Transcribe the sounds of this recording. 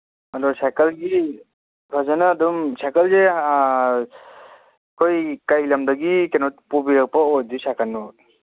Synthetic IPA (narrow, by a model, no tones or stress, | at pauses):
adɔsakalɡi | bʱazanaːdɔmsakalze | kʰɔjkajlamdaɡikenɔt̪̚pubiɾak̚pɔɔdisakalnːɔ